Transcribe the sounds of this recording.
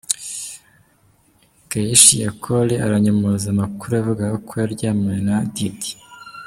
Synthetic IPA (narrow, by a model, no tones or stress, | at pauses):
ɡ̥ajiʃijakʰoliaɾaɲamozamakuɾuavuɡaɡakʰojaɾɟaːmŋenadidi̥